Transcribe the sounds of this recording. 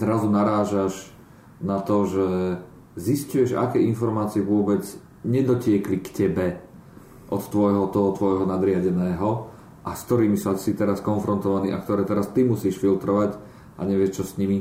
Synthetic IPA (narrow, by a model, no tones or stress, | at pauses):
zɾazunaɾaːʒaʒ | nat̪ɔʒɛ | ziscujɛʒa̰kɛːinfɔɾmaːt͡siɛʋʊɔbɛd͡z | ɲɛd̪ɔcɪɛklikcɛbɛ | ʔɔt̪t̪ːʋɔjɦɔt̪ɔɦɔt̪ʋɔjɦɔnad̪ɾɪaɟɛnɛːɦɔ | ʔaskt̪ɔɾiːmisasit̪ɛɾaskɔnfɾɔnt̪ɔʋaniːʔa̰kt̪ɔɾɛːt̪ɛɾast̪imusiːʃfilt̪ɾɔʋac | ʔa̰ɲɛʋɪɛʃt͡ʃɔsɲimi